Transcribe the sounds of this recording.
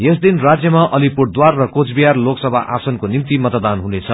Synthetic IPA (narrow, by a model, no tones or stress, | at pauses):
jesd̪inrad͡zjʌmaʔʌlipurd̪warːʌkot͡sbijarloksʌbʱaʔa̰sʌnkonimt̪imʌt̪d̪anɦunet͡sʰʌ